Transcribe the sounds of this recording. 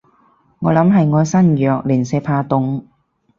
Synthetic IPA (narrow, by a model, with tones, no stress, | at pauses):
ŋɔː˨˧lɐ˨˥mɦɐ˨jŋɔː˨˧jsɐ˥njœː˨k̚liː˨˩nsɛː˧pʰaː˧t̪ʊ˨˥ŋ